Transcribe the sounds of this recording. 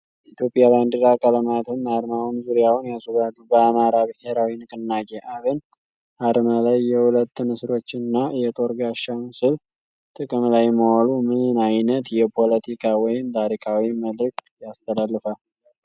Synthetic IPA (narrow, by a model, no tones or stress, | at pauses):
it̪ʰjo̞pʼjaβand̪iɾakʼələmat̪ʰɨnːaɾmawunzuɾijawnjasud̪ad̪ubəamaɾabɨhe̞ɾawinɨkʼɨnːaɡʼeʔaβən | ʔaɾmalajːɛhulət̪ːɨnɨsɾo̞t͡ʃːɨnːajɛt̪ʼo̞ɾɡaʃːamɨsɨl | t̪ʼɨkʼɨmlajməwalumɨɨnajnət̪jɛpʰo̞lət̪ʰikʰawɔjɪmt̪ʰaɾikʰawiməlɨk̚t̪jast̪ʰəlalːɨfa